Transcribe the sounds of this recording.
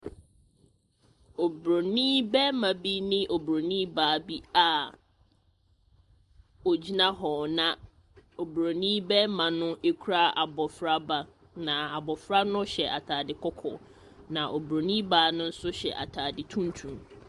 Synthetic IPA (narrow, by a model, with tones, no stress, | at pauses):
o˨bɾo˨nĩ˦bɛ˦mã˨bi˦nɪ̃˦ʔo˨bɾo˨nĩː˦baː˨˦bi˦a˨ | o˨d͡ʑi˦nã˦ɦɔ˨nã˨ | o˨bɾo˨nĩː˦bɛ˦mã˨nʊ̃˦e˦kʰu˦ɾa˦ʔa˨bɔ˨fɾa˦ba˨ | nã˨a˨bɔ˨fɾa˦nʊ̃˦ɕɛ˨ʔa˨tʰaː˨dɪ˨kʰɔ˦kʰɔ̰˨ | nã˨ʔo˨bɾo˨nĩ˦baː˨˦nʊ̃˦n̩˦sʊ˦ɕɛ̰˨ʔa̰˨tʰaː˨dɪ˨tʰũ˦n˦tʰũ˨m